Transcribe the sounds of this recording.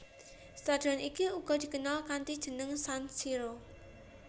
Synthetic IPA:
st̪ad̪̥ɔ̤nikiuɡ̥ɔ̤d̪̥i̤kənalkant̪id̥ʒ̥ə̤nəŋsansiɾo

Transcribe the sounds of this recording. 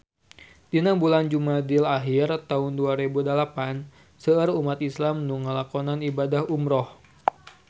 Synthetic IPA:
dinambuland͡ʒumadilaɦirt̪aʊnduaɾebudəlapan | səərumat̪islamnuŋəlakɔnanibadahumɾɔh

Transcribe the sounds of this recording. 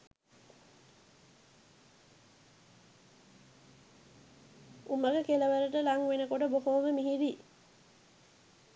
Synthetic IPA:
ʔuməɡəkeləʋəɾəʈəlaŋʋenəkoʈəbokoːməmiɦiɾi

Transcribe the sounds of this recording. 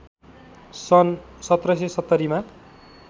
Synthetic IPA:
sʌnsʌt̪rʌsesʌt̪ːʌɾima

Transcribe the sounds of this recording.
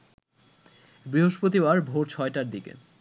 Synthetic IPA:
bɾiɦoʃpɾot̪ibaɾbʱoɾt͡ɕʰɔeʈaɾd̪ikḛ

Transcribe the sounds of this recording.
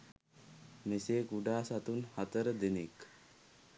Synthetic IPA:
meseːkuɖaːsat̪unhat̪əɾəd̪enek

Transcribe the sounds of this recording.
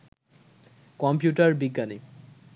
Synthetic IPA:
kɔmpjuʈaɾbiɡːani

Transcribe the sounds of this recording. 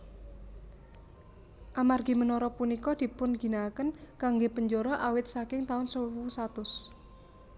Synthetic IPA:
ʔamarɡi̤mənɔɾɔpunikɔd̪̥i̤pʊnɡ̥i̤nakənkaŋɡepəɲd͡ʒoɾɔʔawɪt̪̚sakɪŋt̪aʊnsəuusat̪ʊs

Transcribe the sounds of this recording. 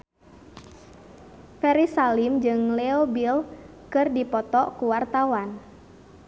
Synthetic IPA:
fɛɾisalimd͡ʒɨŋlɛobil | kɨrdipɔt̪ɔkuwart̪awan

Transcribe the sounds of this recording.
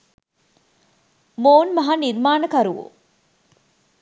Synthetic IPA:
moːnmɐɦaniɾmaːnəkɐɾuʋo̰

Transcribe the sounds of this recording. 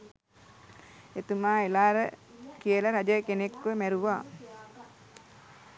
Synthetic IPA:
et̪umaːelaːɾəkijəlaɾad͡ʒəkenekʋəmæɾuʋaː

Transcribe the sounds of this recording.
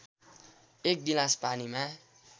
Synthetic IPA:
ek̚ɡilaspanima

